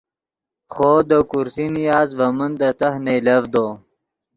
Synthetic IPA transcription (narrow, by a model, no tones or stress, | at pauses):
χoːd̪əkuɾsinijaːzvɐmənd̪ət̪ahnejlɐvd̪o